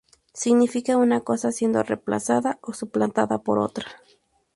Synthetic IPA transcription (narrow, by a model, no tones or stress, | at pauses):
siɡnifikaunakosasjend̪o̰rḛpla̰saðaosuplant̪aðapoɾo̰t̪ɾḁ